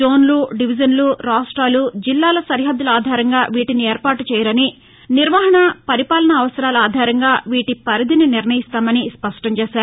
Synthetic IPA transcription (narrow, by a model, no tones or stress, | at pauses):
o̞ːnluɖiʋid͡ʒɐnluɾaːsʈɾaːlud͡ʒilːaːlɐsɐɾiɦɐd̪ːuluaːd̪ʱaːɾɐŋɡaːʋiːʈinieːɾpaːʈut͡ʃɛːjɐɾɐni | niɾʋaːɦɐɳɐpɐɾipaːlɐnɐːʋɐsɐɾaːluaːd̪ʱaːɾɐŋɡaːʋiːʈipɐɾid̪ʱininiɾnɐjist̪aːmɐnispɐʂʈɐɲt͡ʃeːʃaːɾu